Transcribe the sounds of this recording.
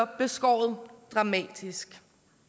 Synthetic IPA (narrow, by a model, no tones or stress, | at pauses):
ɒb̥e̝sɡ̥ɒ̰ːð̩ˠd̥ʁɑ̈mɛ̰ːd̥isɡ̥